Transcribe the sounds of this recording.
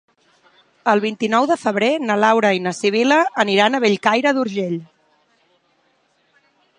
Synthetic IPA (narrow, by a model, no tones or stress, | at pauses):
əlˠβint̪inɔwðəfəβɾenəlawɾəinəsiβ̞iləːniɾanəβeʎkajɾəðuɾʒeʎ